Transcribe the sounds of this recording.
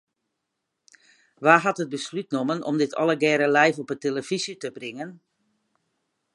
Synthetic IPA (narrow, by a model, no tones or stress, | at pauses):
ʋaːɦatɦəd̚bəslyt̚nomənʔɔ̰mdɪtʰɔ̰lˠəɡɛːɾəlɛjfɔpəteləv̥izjətəbrɪŋən